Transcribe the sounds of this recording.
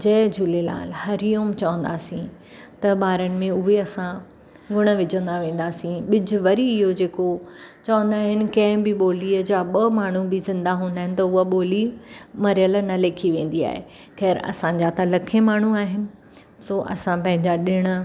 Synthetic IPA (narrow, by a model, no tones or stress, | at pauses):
d͡ʑɐːd͡ʑʱʊlela̰ːlhɐɾijoːmt͡ɕɐʋə̃nd̪aːsĩ | t̪ɐɓaːɾənɪ̆mẽʊɦeɐsã | ɡʊɽ̃ə̆ʋɪd͡ʑə̃nd̪aʋẽːnd̪aːsĩɓɪd͡ʑʱʊʋɐɾiɪɦod͡ʑeːkot͡ɕɐʋə̃nd̪aːɦɪnɪ̆kɐ̃ɦɪ̃bɪɓoːliəd͡ʑaːɓɐmaːɳ̤ubɪzɪ̃nd̪aɦũːnd̪aːɦɪ̃nɪ̆t̪ɐʊəɓoːlimɐɾijəlnɐleːkʰiʋẽːn̆d̪ia̰ːɦḛ | xɛːɾɐ̰sãɲd͡ʑat̪ɐlɐkʰẽmaːɳ̤uaːɦɪnɪ̆ | soːʔɐ̰sãpɐ̃ɦɪ̃ɲd͡ʑaɗɪɽ̃ə̆